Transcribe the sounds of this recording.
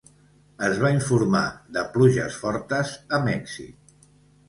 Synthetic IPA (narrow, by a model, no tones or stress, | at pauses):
əzβaiɱfuɾma̰ðəpluʒə̰sfɔɾt̪əzəmɛksḭt